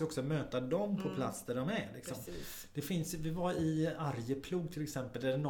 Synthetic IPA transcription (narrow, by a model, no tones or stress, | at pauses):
ɔksɔmøːt̪ad̪ɔmpʰɔpʰla̰t̪sd̪æɖɔmæɾlɪksɔm | d̪̥ɛfɪnsvɪvaɾɪaɾjəpʰluːɡ̚t̪ʰɪlɛksɛmpəld̪æɾɛnɔ